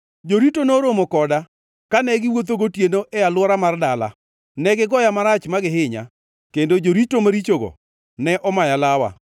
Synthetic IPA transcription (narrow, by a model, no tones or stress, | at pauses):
d͡ʒoɾitonoɾomokɔda | kanɛɡɪwot̪̬oɡotjenoʔɛjalwɔɾamardala̰ | nɛɡɪɡɔjamaɾat͡ʃmaɡɪɦɪɲa̰ | kendod͡ʒoɾitomaɾit͡ʃoɡɔ̰ | nɛʔɔmajalawa̰